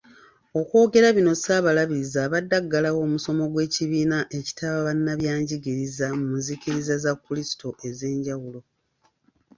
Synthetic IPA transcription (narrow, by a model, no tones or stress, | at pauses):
o̞kwo̞ːɡe̞ɾaβino̞saːβalaβiɾizaːβadːaɡːalawo̞ːmuso̞mo̞ɡwe̞ːciβiːnaʔe̞ci̥tʰaβaβanːaβjaːɲɟiɡiɾizamunziciɾizazakːulisi̥to̞ʔe̞ze̞ːɲɟawulo̞